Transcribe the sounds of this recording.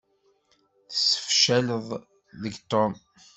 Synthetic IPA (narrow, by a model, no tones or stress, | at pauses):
θə̥sːə̥fʃæləðˤ | ðəɡt̪om